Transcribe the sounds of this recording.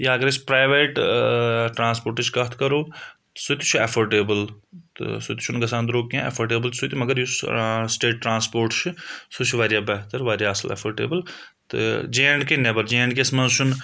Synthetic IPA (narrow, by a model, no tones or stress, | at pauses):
jaɐɡəɾespɾaːɪʋeːʈ | ʈɾãːnspoːɾʈt͡ʃʰkɐt̪ʰkɐɾoː | sʊt̪i̥t͡ʃʰefʰoɾʈeːbəlt̪sʊt̪i̥t͡ʃʰʊnɡɐs̬ãːnd̪ɾoːkːãḛfʰoɾʈeːbəlsʊt̪imɐɡəɾjussʈeːʈːɾãːnspoːɾʈt͡ʃʰsut͡ʃʰʋaːɾjaːbɛɦt̪əɾʋaːɾjaːɐsə̰lḛfʰoɾʈḛːbəl | t̪ɨ̰d͡ʒeːɳɖkenebəɾd͡ʒẽːɳɖkesmɐ̃nzʃʰʊn